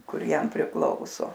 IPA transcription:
ˈkʊr ˈjɛm pʲrʲɪˈklˠɐʊsoː

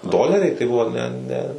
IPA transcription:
ˈdoːlʲɛrʲɛɪ tɐɪ ˈbʊʋoː ˈnʲɛ ˈnʲɛ

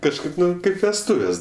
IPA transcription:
kɐʃˈkɐɪp ˈnʊ ˈkɐɪp ʋʲɛsˈtʊʋʲɛs

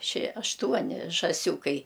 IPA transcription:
ʃʲiɛ ɐʃˈtuɔnʲɪ ʒɑːˈsʲuːkɐɪ

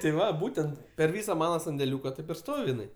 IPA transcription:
tʲɪ ˈʋɐ ˈbuːtʲɛnt pʲɛr ˈʋʲiːsɐ ˈmɑːnɐ sɐnʲdʲɛˈlʲuːkɐ ˈtɐɪp ɪr ˈstoːw jɪˈnɐɪ

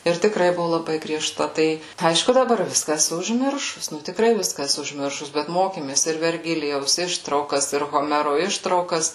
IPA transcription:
ˈɪr tʲɪkˈrɐɪ ˈbʊʋʊ lˠɐˈbɐɪ ɡrʲiɛˈʃtɐ ˈtɐɪ ˈɐɪʃkʊ dɐˈbɐr ˈʋʲɪskɐ ɛˈsʊ ʊʒʲˈmʲɪrʃʊs ˈnʊ tʲɪkˈrɐɪ ˈʋʲɪskɐ ɛˈsʊ ʊʒʲˈmʲɪrʃʊs bʲɛt ˈmoːkʲeːmʲeːs ɪr ʋʲɛrʲˈɡʲɪlʲɪjɛʊs ˈɪʃtrɐʊkɐs ɪr ɣoːˈmʲæːroː ˈɪʃtrɐʊkɐs

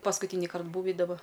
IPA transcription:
pɐskʊˈtʲiːnʲɪkɐrt ˈbuːʋʲɪ dɐˈbɐ

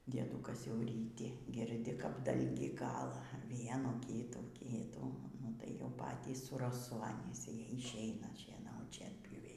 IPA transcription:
dʲiɛˈduːkɐs jɛʊ rʲiːˈtʲɪ ɡʲɪrʲˈdʲɪ kɐp ˈdɐlʲɡʲiː ˈkɑːlˠɐ ˈʋʲiɛnuː ˈkʲiːtuː ˈkʲiːtuː ˈnʊ tɐɪ jɛʊ ˈpɑːtʲiːs sʊ rɐˈsʊ ɐnʲiːs ɪ ɪʃʲˈɛɪnɐ ʃʲiɛˈnɐʊt ʃʲiɛnʲpʲjuːˈʋʲɛɪ

